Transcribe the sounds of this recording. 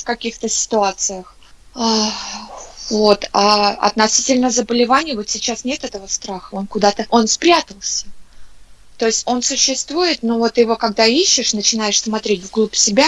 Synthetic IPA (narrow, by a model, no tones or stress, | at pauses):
fkɐkʲixt̪əsʲɪ̥t̪ʊat̪sɨjəx | a | vo̞t̪aɐ̰t̪nɐsʲitʲɪlʲnəzəbəlʲɪvanʲɪjəvo̞t̪sʲɪt͡ɕasnʲe̞t̪ɛt̪əvəst̪ɾaxəo̞nkʊd̪at̪əʔo̞nspɾʲat̪əlˠsʲə̥ | t̪o̞ɪsʲtʲo̞nsʊɕːɪst̪vujɪt̪novo̞t̪ːɨjɪvo̞kaɡ̚d̪aiɕːɪʂnət͡ɕɪnajɪʂsmaɐt̪ɾʲetʲvɡlˠupsʲɪbʲa